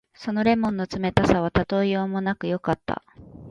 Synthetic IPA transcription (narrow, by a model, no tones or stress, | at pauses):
so̞no̞ɾe̞mõ̞nːo̞t͡sɨme̞t̪asaβ̞at̪at̪o̞ijo̞ːmo̞nakɯ̟jo̞kat̪ːa̰